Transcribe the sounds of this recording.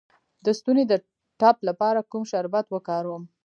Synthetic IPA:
d̪əst̪uned̪ə | ʈɑplapɑɾakumʃaɾbat̪wəkɑɾwəm

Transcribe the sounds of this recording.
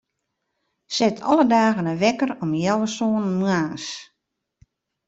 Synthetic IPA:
sɪtʰɔ̰lədaːɣənəʋɛkəɾɔmjɛwəsoːnmuaːns

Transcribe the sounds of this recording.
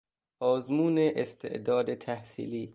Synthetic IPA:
ʔɒːzmuːneʔest̪ʰḛʔd̪ɒːd̪et̪ʰæhsḭːliː

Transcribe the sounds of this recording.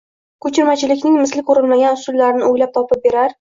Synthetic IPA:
kʰɵt͡ʃʰɪɾmat͡ʃʰɪlɪkʲnɪŋmɪslɪkʲʰoɾɪlmaɡʲanʊsʊlːaɾɪnɪojlap̚t̪ʰɒpɪp̚be̞ɾaɾ

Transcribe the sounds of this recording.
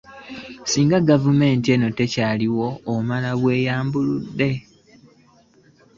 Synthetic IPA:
siːŋɡaɡavume̞ːntie̞no̞te̞caːliwo̞ːmalaβwe̞ːjaːmbuludːe̞

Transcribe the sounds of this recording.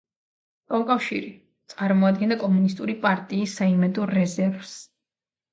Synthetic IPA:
ɔukʼafʃiɾi | t̪sʼaɾmɔad̪̚ɡɛnakʼɔmunist̪ʼuɾipʼaɾt̪ʼiːsːaimɛd̪ɔːɛzɛɾvs

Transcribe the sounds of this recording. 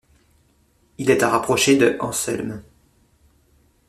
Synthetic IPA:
ilɛt̪aʁapχɔʃed̪əʔɑ̰̃sɛ̰lm

